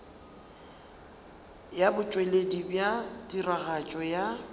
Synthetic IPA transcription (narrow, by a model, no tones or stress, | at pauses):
jabʊt͡ʃʼweledibjatʼiraɣat͡ʃʼɔja